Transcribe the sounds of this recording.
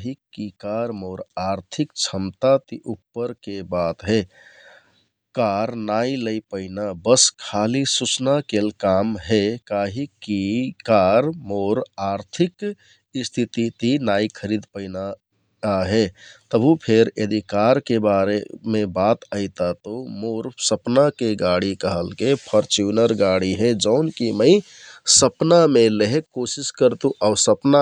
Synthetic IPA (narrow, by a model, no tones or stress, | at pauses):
ɦikːikaɾmoɾaɾt̪ʰikt͡ʃʰəmt̪at̪iʔupːəɾkebat̪ɦe | kaɾnailəɪpəɪnabəskʰalisut͡ʃnakelkamɦekaɦikːikaɾmoɾaɾt̪ʰik | st̪ʰit̪it̪inajkʰəɾid̪pəɪna | aɦet̪əbʱupʰeɾjḛd̪ikaɾkebaɾemebat̪əɪt̪at̪omoɾsəpnakeɡaɽikəɦəlkepʰəɾt͡ʃunəɾɡaɽiɦed͡ʒəʊnkiməɪ | səpnameleɦekːosiskəɾt̪ũʔaʊsəpna